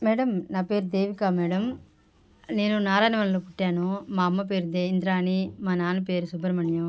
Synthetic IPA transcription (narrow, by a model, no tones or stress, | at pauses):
mɛːɽɐmnaːpeːɾd̪eːʋikaːmɛːɽɐm | neːnunaːɾaːjnɐʋɐnɐlopuʈːaːnumaːɐmːɐp̬eːɾd̪eːind̪ɾaːnimaːnaːnɐpeːɾusubɐɾɐmɐɳjɐ